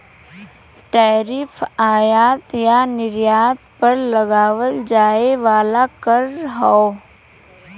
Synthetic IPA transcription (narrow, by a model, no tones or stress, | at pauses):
ʈaːɾɪfʰaːjaːt̪janɪɾjaːt̪̚pəɾləɡaːʋəld͡ʒaːeʋaːlakəɾɦɔ